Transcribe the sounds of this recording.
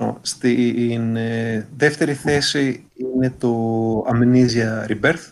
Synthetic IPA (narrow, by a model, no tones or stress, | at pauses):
o̰st̪inðe̞ft̪e̞ɾiθe̞si | ine̞t̪o̞ɐmeniziɐɾibeɾθ